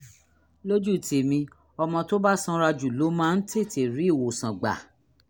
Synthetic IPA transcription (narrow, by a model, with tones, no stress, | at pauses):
lo˦d͡ʒu˦˨tʰe˨mĩ˧ | ɔ˧mɔ̃˧to˦ba˦sɔ̃˦ɾa˧d͡ʒu˨lo˨˦mãː˦n̩˦tʰe˦˨tʰe˨ɾi˨˦i˦˨wo˨sã˨ɡ͡ba̰˨